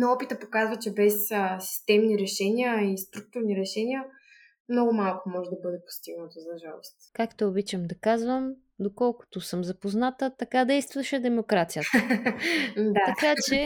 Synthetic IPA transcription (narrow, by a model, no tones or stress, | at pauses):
nɐɔpit̪əpokazvət͡ʃɛbɛsəsi̥st̪ɛmniɾɛʃɛnʲiəist̪ɾuk̚t̪ʊɾniɾɛʃɛnʲiə | mnɔɡʊmalˠkʊmɔʒɛd̪ɐbɤd̪ɛpo̥st̪iɡnət̪ozɐʒalˠost̪kakt̪ɛobit͡ʃəmd̪ɐkazvəm | d̪okɔlˠkʊ̥t̪ʊsɤmzɐpoznat̪ət̪ɐkad̪ɛjst̪vɐʃɛd̪ɛmokɾat̪sijət̪ | d̪aɐkat͡ʃɛ